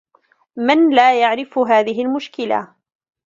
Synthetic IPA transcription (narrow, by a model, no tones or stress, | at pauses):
mɪnlaːjaʕɾɪfɦaːðɪɦɪlmʊʃkɪla̰